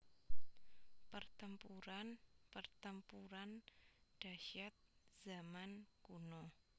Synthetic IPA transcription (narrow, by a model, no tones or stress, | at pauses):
pərt̪əmpuɾanpərt̪əmpuɾanɖ̥aʃat̪̚z̥amankuno